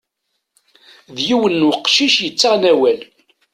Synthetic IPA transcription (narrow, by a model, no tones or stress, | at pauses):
ðjiwənːwəqːʃiʃjət͡sːəʁnæwæl